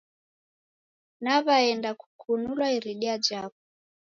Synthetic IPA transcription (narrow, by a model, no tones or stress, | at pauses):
naβaɛndaku̥kʰunulwaiɾiɗiad͡ʒakɔ